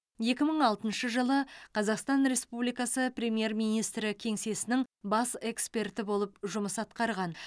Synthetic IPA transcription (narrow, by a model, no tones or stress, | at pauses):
je̞kʲɪməɴɑlˠt̪ənʃəʒəlˠəqʰɑzɑqst̪ɑnɾe̞spublijkɑsəprʲe̞mje̞rmijnijst̪ɾɪkʲʰe̞ŋse̞sɪnɪŋbɑse̞kspe̞rt̪ɪbolˠəpʒʊməsɑt̪qɑɾʁɑn